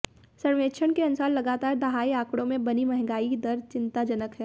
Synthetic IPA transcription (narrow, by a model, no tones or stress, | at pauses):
sɐɽʋeːʃʰəɽkeɐnsaːnlɐɡaːt̪aːɾd̪ɐɦaːiaːkɽõmẽbɐnimɛɦŋɡaːikid̪ɐɾt͡ʃɪ̃nt̪ad͡ʒɐnəkɦɛː